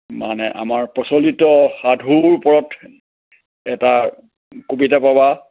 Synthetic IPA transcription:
manɛʔa̰maɹpɔsɔlitɔxadʱuɹpɔɹɔt | ɛta | kobitapaba

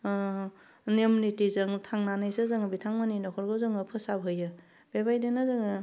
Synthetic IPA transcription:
nemunitizɯŋtʰaŋnanɯjsɯzɯŋbitʰaŋmaninɔkʰɔɾɡɯzɯŋɯpʰɯsabɦɯjɯ | b̥ebajdenɯzɯŋ

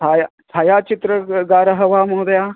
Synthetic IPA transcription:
ajat̪ʰaːjaːt͡ʃit̪ɾəɡaːɾɐɦɐʋaːmɐɦd̪ɐja

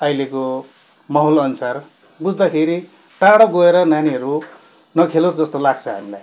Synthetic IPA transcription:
ʌjleko | mʌɦolʌnsar | bud͡zd̪akʰeɾi | ʈaɽʌɡoeɾʌnaniɦʌɾu | nʌkʰelosd͡zʌst̪olaɡt͡sʰʌɦa̰milaj

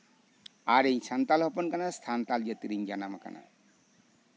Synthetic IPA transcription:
aɾejsʰant̪alɦɔpɔnkanast̪ʰant̪ald͡ʒat̪iɾiɲd͡ʒanamaka̰nʔa̰

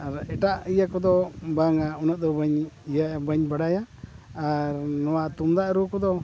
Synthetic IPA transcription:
aɾɛʈaʔijakɔd̪ɔbaŋaunəʔ̚d̪ɔbəɲjabəɲbaɽajaː | ɾnɔwaʔt̪umd̪aʔɾukɔd̪ɔ

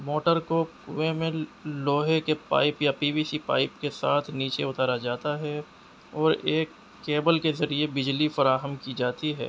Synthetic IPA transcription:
moːʈəɾkopuemẽloːɦekepa̰ːɪpjapiːbiːsipa̰ːɪpkesaːt̪ʰniːt͡ʃeʊt̪aːɾad͡ʒaːt̪aɦɛ | ɔːɾeːkː | eːbəlkezɐɾiebɪd͡ʒlifɐɾaːɦəmkid͡ʒaːt̪iɦɛ̰ː

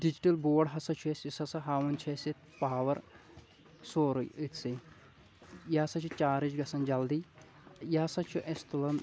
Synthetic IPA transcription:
ɖid͡ʒiʈɐlboːɖɦɐsɐt͡ʃʰuesisɐsɐɦaːʋɐnt͡ʃʰesit̪ | paːʋɐɾ | soːɾujɨt̪sɨ | jɐɐsɐt͡ʃʰut͡ʃaːɾit͡ʃɡɐsɐnd͡ʒɐld̪i | jɐɐsɐt͡ʃʰuʔest̪ulɐn

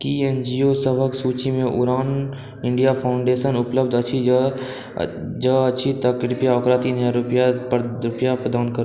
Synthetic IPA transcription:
kiend͡ʒiosəbʱəksuːt͡ʃimẽʔʊɾaːn | ɪ̃ɳɖijapʰaʊ̃ɳɖeːʃənʊpləbd̪ət͡ʃʰi | d͡ʒəɐt͡ʃʰit̪əkɾʊpjaɔkɾat̪iːnɦaɾʊpjapɾʊpjapɾəd̪aːnkəɾ

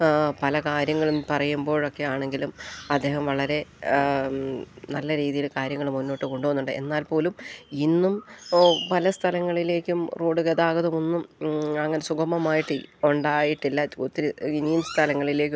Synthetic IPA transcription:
pɐlɐkaːɾjɐŋːɐɭumpɐrɐjumbo̞ːɻo̞kːe̞jaːɳe̞ŋɡilumɐd̪ːe̞ːhɐmʋɐɭɐɾe̞ | nɐlːɐɾiːðijilkaːɾjɐŋːɐɭumːunːo̞ːʈːɨko̞ɳɖuʋɐnːuɳɖɨʔe̞̰nːaːlpo̞ːluminːumpɐlɐst̪ʰɐlɐŋːɐɭile̞ːkʲːumroːɖɨkeðaːɣɐðumonːumɐŋːɐne̞suɡɐmːɐmaːjiʈːɨoɳɖaːjiʈːilːɐut̪ːiɾiɡinijumst̪ʰɐlɐŋːɐɭile̞ːkʲːu

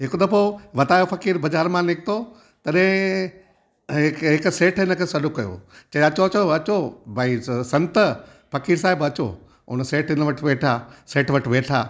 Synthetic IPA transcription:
ɦɪkd̪ɐpoʋɐt̪aːjofɐkiːɾbɐd͡ʑaːɾmãnɪkʰɪt̪o | t̪ɐɗɦɪ̃ | kɦɪkseːʈʰɪnə̆kʰeːsɐɗʊkːɐjo̰ːt͡ɕɐɐt͡ɕoɐt͡ɕoɐt͡ɕobʱaisɐ̃nt̪ | fɐkiːɾsaːɦɪbɐt͡ɕo̰ | ʊ̰nəseːʈʰɪnəʋɐʈʰʋeːʈʰaseːʈʰʋɐʈʋeːʈʰaː

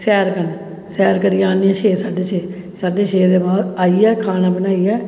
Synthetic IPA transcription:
sɛːɾkən | sɛːɾkəɾijaːniɛ̃ːʃʰeːsaːɖeːʃʰeː | saːɖeːʃeːd̪eːbaːd̪aːiɛːkʰaːnaːbənaːiɛː

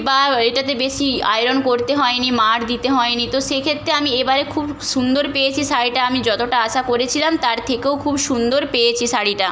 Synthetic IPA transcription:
baeʈat̪ebeʃia̰jɾonkoɾt̪eɦɔenimaɾd̪it̪eɦɔenit̪oʃekʰet̪ːɾeamiebaɾekʰubʃund̪oɾpejet͡ɕʰisaɾiʈaamid͡ʑɔt̪oʈaaʃakoɾet͡ɕʰilamt̪aɾt̪ʰekewkʰubʃund̪oɾpejet͡ɕʰisaɾiʈa

